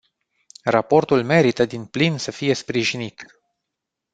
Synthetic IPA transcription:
rapo̞rt̪ulme̞ɾit̪əd̪inplinsəfije̞spɾiʒinit̪

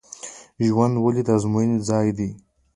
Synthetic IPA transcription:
ʒwand̪walid̪azmujind͡zɑːjd̪i

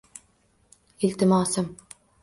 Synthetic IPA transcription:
ɪlt̪ɪmɑːsɪm

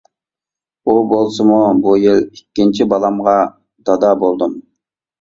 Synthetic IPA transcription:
ubolˠsumubujilikʲːint͡ʃʰibɑlˠɑmʁɑ | d̪̥ɑd̪ɑbolˠd̪um

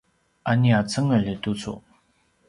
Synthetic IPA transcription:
ʔaniat͡sʰaŋːəlet̪ut͡sʰo̰

